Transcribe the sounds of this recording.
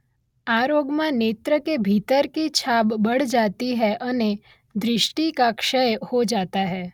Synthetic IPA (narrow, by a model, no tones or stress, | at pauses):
aːɾoːɡmãneːt̪ɾəkebʱiːt̪əɾkit͡ʃʰaːbːɐɽ̤d͡ʒaːt̪iɦɛʔɐne | d̪ɾɪʃʈikakʃəjhod͡ʒaːt̪aɦɛː